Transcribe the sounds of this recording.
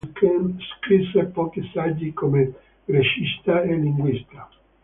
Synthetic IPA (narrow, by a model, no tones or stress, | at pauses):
kʰenskɾisːepɔːk̟isad͡ʒːikome | reʃist̪aelːiŋɡwist̪a